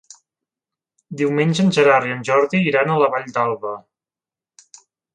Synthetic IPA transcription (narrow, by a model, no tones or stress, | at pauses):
d̪iwmenʲʒənʲʒəɾariənʲʒɔɾðiːɾanələβaʎd̪alˠβə